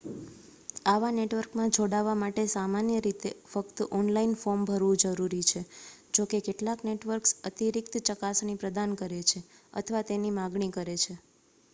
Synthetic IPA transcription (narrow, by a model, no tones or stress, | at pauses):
aʋaneʈʋəɾkmãd͡ʒoɽaʋamaʈesamanjəɾit̪efəkt̪ɔnlainfoɾmbʱəɾʋũd͡ʒəɾuɾit͡ʃʰed͡ʒokekeʈlakneʈʋəɾksət̪iɾik̚t̪t͡ʃəkasnipɾəd̪ankəɾet͡ʃʰeə̰t̪ʰəʋat̪enimaɡɳikəɾet͡ʃʰe